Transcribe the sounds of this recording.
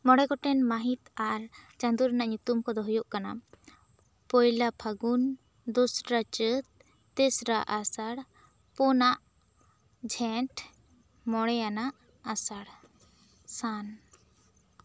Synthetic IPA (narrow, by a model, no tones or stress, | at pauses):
mɔɽɛɡɔʈɛnmaɦit̪aɾt͡ʃand̪uɾanaʔɲut̪umkɔd̪ɔɦujɔʔkana̰ | pɔjlapʰaɡun | d̪usɾat͡ʃət̪̚ː | ɛsɾaʔasaɽ | pɔnaʔ | d͡ʒʱɛʈʰ | mɔɽɛjanaʔ | asaɽ | san